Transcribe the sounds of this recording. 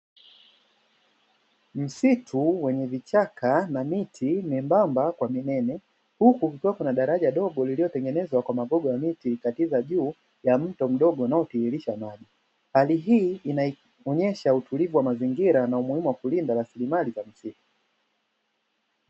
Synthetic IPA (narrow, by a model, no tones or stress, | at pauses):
m̩sitʰuwɛɲɛvit͡ʃakʰanamitʰimɛmbambakwaminɛnɛ | hukukukiwakunaɗaɾaʄaɗɔɡɔlililɔtɛŋɡɛnɛzwakwamaɡɔɡɔjamitikatizaʄuː | jam̩tɔm̩ɗɔɡɔanaɔtihiliʃamaʄi | haliɦiːinai | ɔɲɛʃautulivuwamaziŋɡiɾanaumuhimuwakulindaɾasilimalizam̩situ̥